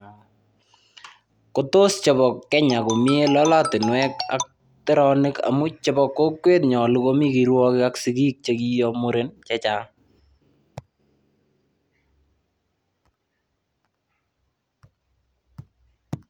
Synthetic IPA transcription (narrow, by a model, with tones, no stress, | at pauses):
ko˦to˦st͡ʃɔ˨bɔ˨kːɛ˦ɲa˨kʊ˨mi˦e˦lɔ˦la˦tɪ˨nwɛ˦ka̰˦k̚ | te˦ɾɔ˦nɪ˦ka̰˨mʊ˦t͡ʃɔbɔkːo˦kwe˦t̪̚ɲɔ˨luko˦mi˦kiɾwɔ˦kɪ˦ka˦ksi˨ɡiː˦k̚t͡ʃeki˦jɔmʊ˦ɾe˦nt͡ʃɛ˦t͡ʃa˦